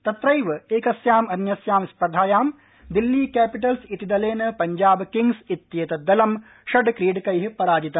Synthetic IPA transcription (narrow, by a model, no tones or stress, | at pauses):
t̪ɐt̪ɾɐjʋɨeːkɐsjaːmɐnjɐsjaːmispɾɐd̪ʱaːjaːm | d̪ilːiːkæːpiʈ̬ɐlsit̪id̪ɐleːnɨpɐɲd͡ʒaːbkiŋɡsit̪jeːt̪ɐd̪ɐlɐm | ʃɐɖkɾiːɖkɐjɦipɐɾaːd͡ʒit̪ɐm